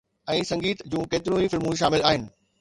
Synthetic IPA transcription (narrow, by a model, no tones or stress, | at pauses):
ɛ̃ːsɐ̃ŋɡiːt̪d͡ʑũːkeːt̪ɪɾjũifɪlmũʃ̬aːmɪlaːɦɪnɪ̆